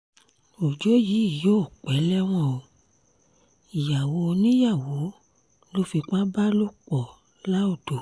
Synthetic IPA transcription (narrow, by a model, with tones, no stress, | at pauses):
o˨d͡ʒo˨˦ji˨˦i˦˨jo˦˨k͡pɛ˨˦lɛ˦w̃ɔ̃˧o˧˨ | i˨ja˨wo˨˦o˧nĩ˦ja˦˨wo˨˦ | lo˦fi˧k͡pa˦ba˦lo˦k͡pɔ˨ | la˦o˦˨do˨